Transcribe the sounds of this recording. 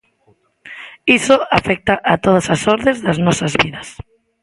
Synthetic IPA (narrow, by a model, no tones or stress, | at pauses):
isoafɛk̚t̪aʔat̪oð̞ɐsasɔɾðẽzðaznɔsazβiðɐs